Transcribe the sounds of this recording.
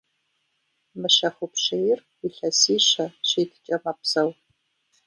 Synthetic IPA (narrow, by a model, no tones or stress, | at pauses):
mɨɕɐxʷʊpʂejɪrwiɬɐsiːɕɐɕeːtʰt͡ʃʼɐmɐpʰsɐw